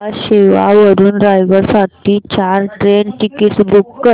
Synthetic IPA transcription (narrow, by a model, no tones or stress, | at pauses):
aɕeʋa̰ʋəɾuːnɾajɡəɾsaʈʰiːt͡ɕaɾʈɾenʈikiʈsbukːə